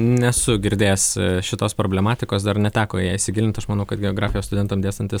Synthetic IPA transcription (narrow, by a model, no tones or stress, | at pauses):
nʲɛsʊɡʲɪɾʲd̪ʲeːsʃʲɪt̪oːspɾoːbʲlʲɛmɑːt̪ʲɪkoːsd̪ɐrnʲɛt̪ʲæːkoːjæːɪsʲɪɡʲɪlʲɪnʲt̪ɐʃmɐːnɐʊkɐt̪ɡʲɛoːɡɾɑːfʲɪjoːst̪ʊd̪ʲɛnt̪ɐmd̪eːst̪ɐnʲt̪ʲɪs